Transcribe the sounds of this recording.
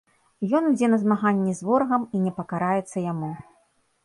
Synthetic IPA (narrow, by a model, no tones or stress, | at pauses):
jɔnud͡zʲɛnɐzmaɣanʲːɛzvɔɾɣɐminʲɛpɐkaɾajɛt̪sːɐjamu